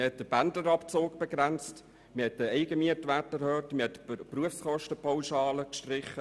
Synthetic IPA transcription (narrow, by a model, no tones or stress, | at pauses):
əhɛt̚d̥əb̥ændləɾɑpt͡soːɡb̥eɡ̥rænt͡st | miːhɛt̚dəɛɪɡəmiətʋætəɾhøːtmiːhɛtəpruəfskɔʃtəpʰawʃɑːləkʃtrɪχːə